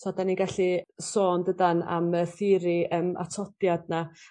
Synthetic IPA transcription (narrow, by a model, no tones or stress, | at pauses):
sʰɔdaniɡaɬisoːndədana̰məθɪɾiəma̰tʰɔpjadna